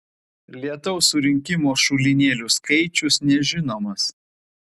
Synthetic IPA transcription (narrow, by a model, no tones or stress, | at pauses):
lʲiɛt̪ɐʊsʊɾʲɪŋʲkʲɪmoːʃʊlʲɪnʲeːlʲʊskɐɪt͡ʃʲʊsnʲɛʒʲɪnoːmɐs